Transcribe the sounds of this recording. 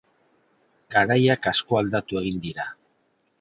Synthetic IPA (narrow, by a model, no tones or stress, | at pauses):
ɡ̥aɾajakasko̞ald̪at̪ue̞ɣ̞ind̪iɾa